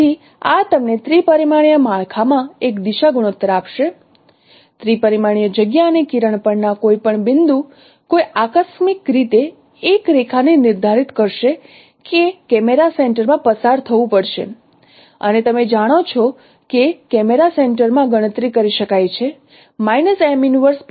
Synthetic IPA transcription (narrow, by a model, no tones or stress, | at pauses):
i | at̪əmnet̪ɾipəɾimaɽ̃jəmaɭkʰamãekd̪iʃaɡuɽ̃ot̪ːəɾapʃe | t̪ɾipəɾimaɳ̃ijəd͡ʒəɡjaənekiɾəɳ̃pəɳnakoipəɳbɪnd̪u | koiʔakəsmikɾit̪eː | kɾekʰanenɪɾd̪ʱaɾit̪kəɾʃe | kekɛmeɾaseɳʈəɾmãpəsaɾt̪ʰəʋũpəɽʃḛ | ə̰net̪əmed͡ʒaɽ̃ot͡ʃʰɔ | kekɛmeɾaseɳʈəɾmãɡəɽ̃ət̪ɾikəɾiʃəkajt͡ʃʰe | majnəsɛminʋəɾs